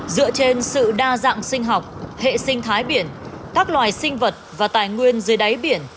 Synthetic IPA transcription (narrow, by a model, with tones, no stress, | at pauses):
zɨ̰˧˨ət͡ɕe˧nsɨ̰˧˨ɗaː˧za̰ː˧˨ŋsï˧ŋ̟ɦɔ˨˩wk͡p̚hḛ˧˨sï˧ŋ̟t̪ʰaː˨˦jɓi˧˩ən | kaː˦˥k̚lwaː˨˩jsï˧ŋ̟və˨˩t̚vaː˨˩t̪aː˨˩jŋwi˧ənzɨː˨˦jɗa˨˦jɓi˧˩ən